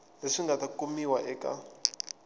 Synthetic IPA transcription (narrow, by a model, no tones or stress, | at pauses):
leʂiŋɡatakumiwaʔɛːka̰